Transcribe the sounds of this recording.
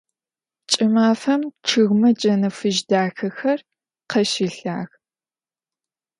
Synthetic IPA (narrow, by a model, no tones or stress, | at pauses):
t͡ʃʼɪmaːfɐmʈ͡ʂʰɨɣmɐd͡ʒɐnɐfɨʒdaːxɐxɐr | qʰɐʃɪɬa̰ːɣ